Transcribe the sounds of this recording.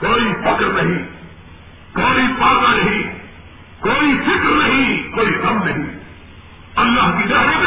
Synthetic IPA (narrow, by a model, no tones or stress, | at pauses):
koːifʰɐkɾnɐɦĩː | koːiːpaːd̪ãːnɐɦĩː | koːifʰɪkɾnɐɦĩːkoːikɐmnɐɦĩː | ɐlːaːɦkiːɗaːɾib